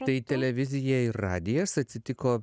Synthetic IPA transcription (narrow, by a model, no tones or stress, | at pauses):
t̪ɐɪt̪ʲɛlʲɛʋʲɪzʲɪjɛɪɾɑːd̪ʲɪjɛsɐt̪ʲsʲɪt̪ʲɪkoː